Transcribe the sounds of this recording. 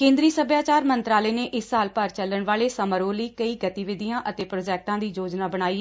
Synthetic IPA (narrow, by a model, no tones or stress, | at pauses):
kẽːnd̪ɾiːsəbʱjaːt͡ʃaːɾmənt̪ɾaːleːneːʔɪsːaːlpəɾt͡ʃələɳʋaːɭeːsəməɾoːliːkəiːɡət̪iːʋɪd̪ijãːʔət̪eːpɾoːd͡ʒɛːk̚ʈãːd̪iːd͡ʒoːd͡ʒnaːbəɽ̃aːiː